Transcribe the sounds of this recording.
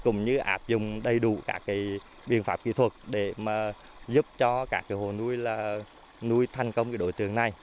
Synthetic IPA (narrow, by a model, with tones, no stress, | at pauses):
kʊ̰˧˩ŋ͡mɲɨ̰˧ʔa̰ː˦˥p̚zʊ̰˨ŋ͡mɗə˧jɗu˧˩˨ka̰ː˦˥k̚ːa˨˦j | ɓḭ˨˩ənfaː˦˥p̚kḭ˧˥t̪ʰwə˨˩t̚ɗe˧˩maː˨˩ | zu˦˥p̚t͡ɕɔ˧kaː˦˥k̚ːaː˨˦jho˨˩nu˧jlaː˨˩ | nu˧jt̪ʰa˨˩jŋ̟kə˧wŋ͡mkaː˨˦ɗo̰˧˨jt̪ɨ̰˨əŋna˨˩j